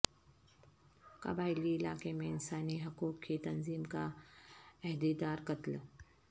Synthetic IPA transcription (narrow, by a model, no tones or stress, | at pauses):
kɐ̰baːɪliɪla̰ːkemẽɪnsaːniɦɐkuːkʰːit̪ɐnziːmka | ɛɦd̪id̪aːɾkɐt̪l